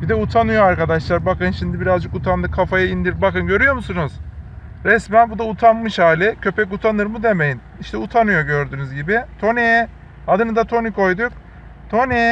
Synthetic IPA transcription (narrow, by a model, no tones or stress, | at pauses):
bid̪ɛut̪ʰanɯjo̞aɾkad̪aʃlˠaɾbakɯnʃimd̪ibiɾazd͡ʒɯkut̪ʰand̪ɯkʰːafajaind̪iɾbakɯnɟø̞ɾyjo̞musunuz̥ | ɾɛsmænbud̪aut̪ʰanmɯʃhaːlʲɛcʰø̞pʰɛkut̪ʰanɯɾmud̪e̞me̞jin | iʃt̪ɛut̪ʰanɯjo̞ɟø̞ɾd̪yːnyzɟibɪt̪ʰo̞neɛ | ad̪ɯnɯd̪at̪ʰo̞nikʰo̞jd̪uk | t̪ʰo̞nɛ